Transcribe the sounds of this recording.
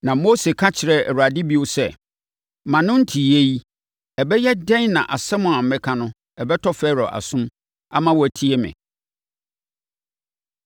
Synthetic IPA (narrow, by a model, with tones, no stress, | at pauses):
nã˨mo˦se˨kʰã˦t͡ɕʰɪ˨ɾɛ˨ɛ˨ɾu˨a˨dɪ˦bi˨o˦sɛ˨ | mã˨nʊ̃˦n̩˦tʰi˨je˦ji˦ | ɛ˨bɛ˦jɛ˦dɛ̃˦nnã̰˨ʔa˨sɛ˦mʊ̃˨a˨m̩˨mɛ̃˦kʰã˦nʊ̃˦ | ɛ˨bɛ˦tʰɔ˦fɛ˦ɾɔ˨ʔa̰˨sʊ̃˦m | a˦mã˦wɔ˨æ˨tʰi˦ɛ˦mɪ̰̃˨